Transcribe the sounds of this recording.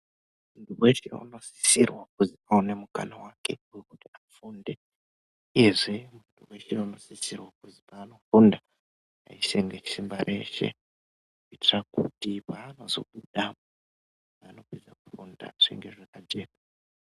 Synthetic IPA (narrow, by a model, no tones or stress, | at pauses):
untuwe̞ʃḛṵno̞si̥sirwakuziaune̞muka̰nawake̞ujekutiafunde | eʐemuntʰuwe̞ʃeano̞sisirwakuzipaːno̞funda | a̰iseŋɡet͡ʃi̥simbaɾʔe̞̰ʃe̞̰ | kuitirakutipaːno̞zo̞̰ɓuɗamo | ano̞pid͡zaku̥funda̰ʐ̥iŋɡe̞ʐekad͡ʒeːma